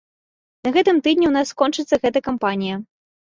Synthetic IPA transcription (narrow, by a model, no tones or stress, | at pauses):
nɐɣɛt̪ɨmt̪ɨd̪ʲnʲiwnasːkɔnt͡ʂɨt̪sːɐɣɛt̪ɐkampanʲijɐ